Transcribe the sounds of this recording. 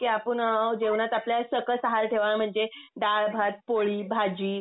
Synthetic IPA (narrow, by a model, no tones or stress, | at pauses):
kiapəɳəwd͡ʑeʋɳat̪apljasəkəsəɦaɾʈʰeʋaam̤əɳd͡zeɖaɭbʱat̪̚poɭiːbʱad͡ʑiː